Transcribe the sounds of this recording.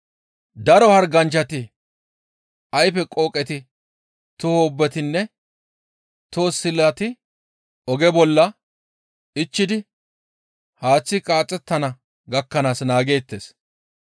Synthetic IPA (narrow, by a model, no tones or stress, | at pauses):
d̪ɐɾɔhɐɾɡɐnt͡ʃɐt̪ɪ | ɐjfɛkʼoːkʼɛt̪ɪ | t̪ʊhoːbːɛt̪ɪnːɛ | t̪oːsɪlɐt̪ɪ | ɔɡɛbɔlːɐ | ɪt͡ʃːɪd̪ɪ | haːt͡sːɪkʼaːt͡sʼːɛt̪ːɐnɐ | ɡɐkːɐnaːsnaːɡe̞ːt̪ːe̞ːs